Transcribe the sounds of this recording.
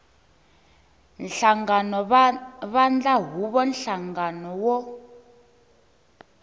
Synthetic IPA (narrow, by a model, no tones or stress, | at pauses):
nɬaŋɡanɔβand͡ɮaɦuβɔnɬaŋɡanɔwɔ